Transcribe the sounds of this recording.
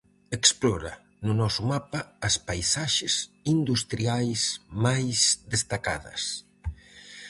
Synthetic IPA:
eksplɔɾɐ̰ | nʊnɔsʊmapaːspajsaʃesind̪ust̪ɾiajsmajsd̪est̪aka̰ðɐ̰s

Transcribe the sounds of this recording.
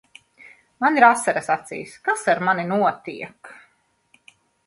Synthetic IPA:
maniɾasːɛɾasat̪sḭjskasaɾmaninuɔt̪iɛk

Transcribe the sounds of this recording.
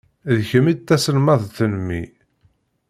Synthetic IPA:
ðəçəmid̪̚t̪ːæsənmɑðˤθənmːḭ

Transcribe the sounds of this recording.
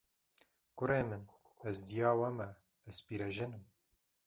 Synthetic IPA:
kʊɾeːmɨn | ɛzd̪ijaːwɐmɛ | ɛspiːɾɛʒɪnɨm

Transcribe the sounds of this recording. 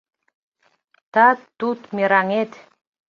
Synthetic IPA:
t̪at̪ːut̪miɾaŋet̪

